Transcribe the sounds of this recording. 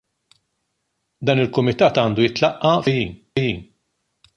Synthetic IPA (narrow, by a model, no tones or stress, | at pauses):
d̪ɐːnɪlkʊmɪt̪ɐːt̪ɐːnd̪ujɪt̪lɐʔːɐfjiːn | jiːn